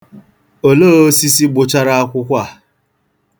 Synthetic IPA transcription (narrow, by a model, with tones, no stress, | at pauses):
o˨loː˦˨o˦si˦si˦ɡ͡bʊ˨t͡ʃa˦ɾa˦a˦kʷʊ˦kʷa˦˨